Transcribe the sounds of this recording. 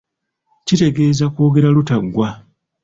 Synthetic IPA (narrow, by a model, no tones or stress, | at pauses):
cite̞ɡe̞ːzakwo̞ːɡe̞ɾalutaɡwa